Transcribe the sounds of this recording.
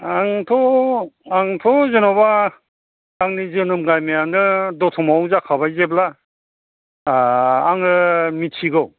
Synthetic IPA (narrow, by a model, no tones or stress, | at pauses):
aŋtʰɔ | aŋtʰɔzɯnɔbaː | ŋnizɯnɯmɡajmejanɯdɔtʰɔmawzakʰabajzebla | ŋɾɯmitʰiɡɯw